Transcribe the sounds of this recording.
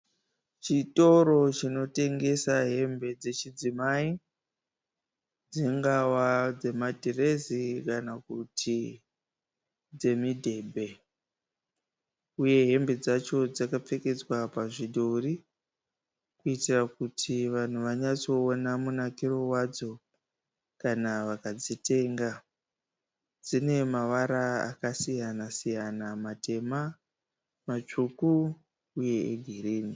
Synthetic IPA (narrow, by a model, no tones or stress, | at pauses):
t͡ʃito̞ɾo̞t͡ʃino̞te̞ŋɡe̞saɦe̞mbe̞d͡ze̞t͡ʃid͡zimai | d͡ziŋɡawad͡ze̞madʱire̞zikanakutʰi | d͡ze̞midʱe̞ːbʱe̞ | uje̞ɦe̞mbe̞d͡zat͡ʃo̞d͡zakap͡fe̞ke̞d͡zwapaʐiɗori | kuitirakutʰiʋan̤uʋaɲat͡so̞ːnamunakiro̞wad͡zo̞ | kanaʋakad͡zite̞ːŋɡa | d͡zine̞maʋaɾaa̰kasijanasijanamate̞ma | mat͡ʂukuː | je̞eɡʱiriːni